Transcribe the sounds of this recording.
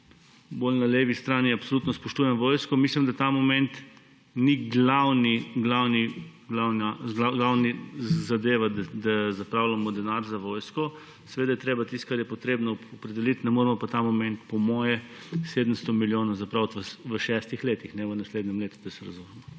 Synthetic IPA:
bolnaleːʋist̪ɾaːniapsoluːt̪nɔspɔʃt̪uːjɛmʋoːjskɔmislimd̪at̪amɔmɛnt̪ | niɡlawniɡlawniɡlawnaaɡlawnizad̪eːʋad̪d̪azapɾawlamɔd̪ɛnaɾzaʋoːjskɔ | sɛʋeːd̪ajɛt̪ɾeːbat̪ist̪kaɾjɛpɔt̪ɾeːbnɔɔpɾɛd̪ɛlit̪nɛmoːɾɛmɔpat̪amɔmɛ̃nt̪pɔmɔːjɛseːd̪əmst̪ɔmiljoːnazapɾawt̪ʋəʋəʃɛst̪ixleːt̪ixnɛʋənasled̪nɛmleːt̪u̥d̪ɐsɛɾɐzumɛmɔ

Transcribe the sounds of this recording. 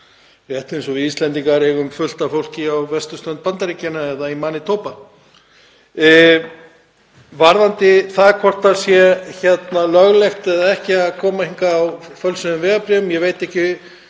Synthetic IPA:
ɛht̪ensɔvɪist̪lɛnt̪iŋkaɾɛɣʏmfʏl̥t̪afowl̥cɪawvɛst̪ʏst̪œnt̪̚pant̪aɾicanaɛðaimaːnɪt̪ʰoːwpa | vaɾðant̪ɪθaðɾkʰɔr̥t̪asjɛçɛt̪nalœɣlɛxt̪ɛðaɛhcɪaðkʰɔːmahiŋkaːwfœlsʏnʏmvɛːɣapɾɛʏmjɛvejt̪ɛhcɪ

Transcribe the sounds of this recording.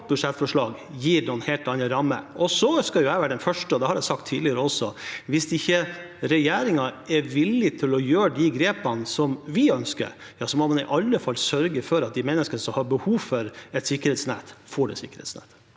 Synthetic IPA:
bʉd̪ʂɛt̪fɔʂɭɑːɡ | jiːɾnɔnheːlt̪ɑnəɾɑmːə̰ʔɔsɔskɑjʊæɪʋæːɾəɖɛnfœʂʈəɔd̪ɛhɑɾjæɪsɑk̚t̪ʰːiːd̪lɪəɾəɔsɔʋɪsɪçːə | ɾɛjeːɾɪŋɑɛɾʋɪlːɪt̪ʰɪlɔjøːɖɪɡɾeːpɑnsɔmʋɪœnskə̰ɾ | jɑːsɔmɔmɑnɪ̰ʔɑlːəfɑlːsœɾɡəfɔɾɑt̪̚d̪ɪmɛnːəskənəsɔmhɑɾbəhuːʋfɔɾɛt̪sɪkːəɾhɛːt̪snæ̰ːt̪foːɖɛ̰sɪkːəɾhɛ̰t̪snæ̰ːt̪

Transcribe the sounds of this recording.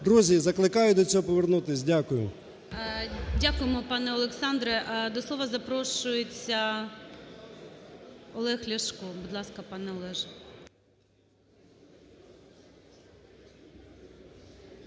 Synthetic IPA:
d̪ɾuzʲizɐklˠɪkɑjʊd̪ɔt͡sʲɔɦɔpɔʋernut̪ɪsʲdʲakʊjʊ | dʲakʊjemɔpɑnɛɔlˠeksɑnd̪ɾɛʔd̪ɔslˠɔʋɐzɐpɾɔʃʊjet͡sʲːɐ | ɔlˠɛxlʲɐʃkɔbud̪lˠɑskɐpɑnɛɔlˠɛʒ

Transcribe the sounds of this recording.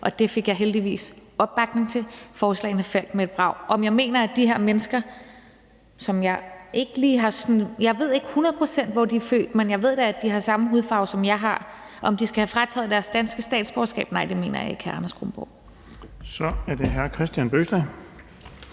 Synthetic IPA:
ʔɒ̽d̥e̝fe̝ɡ̥jɑ̈ɪɦeld̥iʋḭːsɒ̽b̥ːɑ̈ɡ̥ne̝ŋt͡sʰe̝fɒːslɛ̰ɪn̩əfel̰ɡ̥mee̝d̥̚b̥ʁɑ̈ʊ̰ʔɒ̽mjɑ̈ɪme̝̰ːnɐæd̥iɦeɐ̰menəsɡ̥ɐ | sɒ̽mjɑ̈ɪe̝ɡ̥əliːɦɑ̈snjɑ̈ɪʋe̝ð̞̰ˠe̝ɡ̥əhunɐð̞̩ˠpʰosen̰d̥ʋɒd̥iæɐfø̰ːd̥menjɑ̈ɪʋe̝ð̞̰ˠd̥ææd̥iɦɑ̈sɑ̈məɦuðˠfɑ̈ʊsɒ̽mjɑ̈ɪɦɑ̈ | ʔɒ̽md̥isɡ̥æhæfʁɑ̈t͡sʰɛ̰ːð̩ˠd̥æɐsd̥ænsɡ̥əsd̥ɛ̰ːd̥sb̥ɒːsɡ̥ɛ̰ːb̥nɑ̈ɪ̰d̥e̝me̝̰ːnɐjɑ̈i̥æɐɑ̈nɐsɡ̥ʁomb̥ɔ̰ʊ̰ | sɒ̽æɐd̥eɦæɐkʰʁɛsd̥jænb̥øsd̥æ

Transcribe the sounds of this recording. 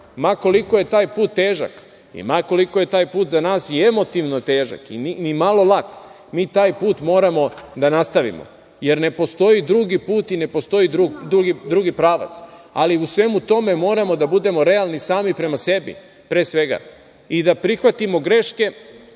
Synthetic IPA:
mako̞liko̞je̞t̪aːjpuːt̪ːeːʒa̰k | ḭmako̞liko̞je̞t̪aːjpuːt̪zanaːsie̞mo̞t̪iʋnot̪eːʒa̰kḭninimalo̞lˠak | miːt̪aːjpuːt̪mo̞ːɾamo̞d̪anast̪aʋḭmo̰ | je̞ɾne̞po̞st̪o̞jid̪ɾuɡipuːt̪ine̞po̞st̪o̞jid̪ɾud̪ɾuɡid̪ɾuɡipɾaːʋa̰t̪saliusʋe̞mut̪o̞me̞mo̞ːɾamo̞d̪abud̪e̞mo̞ɾe̞alˠnisaːmipɾe̞mase̞bḭ | pɾe̞ːsʋe̞ɡa̰ | id̪apɾixʋat̪imo̞ɡɾe̞ʃke̞

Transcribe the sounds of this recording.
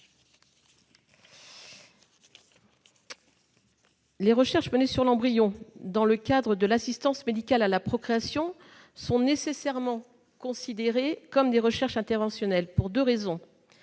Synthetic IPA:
leʁəʃɛʁʃmənesyʁlɑ̃bʁijɔ̃d̪ɑ̃ləkad̪ʁəd̪əlasist̪ɑ̃smed̪ikalalapχɔkχeasjɔ̃ | sɔ̃nesesɛʁmɑ̃ | kɔ̃sid̪eʁekɔmd̪eʁəʃɛʁʃɛ̃t̪ɛʁvɑ̃sjɔnɛlpuʁd̪øʁezɔ̃

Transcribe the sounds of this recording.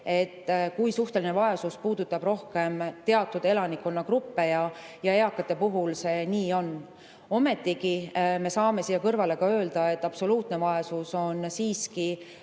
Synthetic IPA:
e̞t̪ːkujsuht̪e̞linevɑjɑsuspuːd̪̥ut̪ːˑɑb̥ro̞hke̞mt̪e̞ɑt̪ːˑud̪e̞lɑnikːonːɑkrupːe̞jɑjɑe̞ɑkːˑɑt̪ˑːe̞puɦulse̞niːo̞nː | o̞me̞t̪ːˑikime̞sɑːme̞siːjːɑkɤrvɑle̞kɑø̞ːld̪̥ɑe̞t̪ːˑɑpso̞luːt̪ne̞vɑesuso̞nsiːski

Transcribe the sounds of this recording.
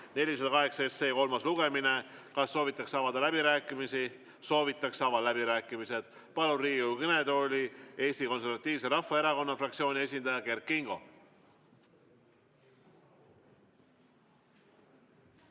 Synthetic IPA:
ne̞lʲised̪ɑkɑɦe̞ksɑesːe̞ːko̞lmɑsluɡ̥e̞mine̞kɑsːo̞ːvit̪ːˑɑksɑːvɑd̪ɑlæbiɾæːkːˑimisi | so̞ːvit̪ːˑɑksɑvɑlæbiɾæːkːˑimise̞d̪̥ | pɑluriːukɤne̞d̪o̞ːlʲie̞ːsʲt̪iko̞ns̬e̞ɾvɑt̪ːˑiːvse̞ɾɑfːɑe̞ɾɑko̞nːɑfrɑk̚t̪sio̞ːnʲie̞s̬ʲind̪ɑjɑke̞rkːiŋɡ̥o̞̰

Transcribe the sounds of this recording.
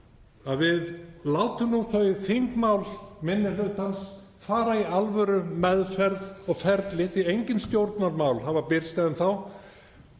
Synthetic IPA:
aðvɪðlaːwt̪ʏmnuθœɥθiŋkmaːwlmɪnːɪlʏt̪ans | faːɾaialvœɾʏmɛðfɛɾðɔɣfɛɾt̪lɪθiejɲcɪnst̪jowɾt̪naɾmawlɦavapɪɾst̪ajðʏmθaw

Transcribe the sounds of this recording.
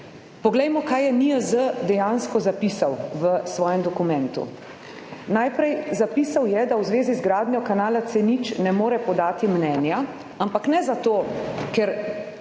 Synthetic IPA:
pɔɡlɛjmɔkaːjjɛniəzəd̪ɛjanskɔzapisawʋəsʋɔːjɛmd̪ɔkumɛ̃nt̪ṵ | najpɾɛjzapiːsawjɛd̪awzʋeːzizɡɾaːd̪njɔkanaːlat̪sɛnit͡ʃnɛmoːɾɛpɔd̪aːt̪imnɛːnja | ampaknɛzat̪oːkɛɾ

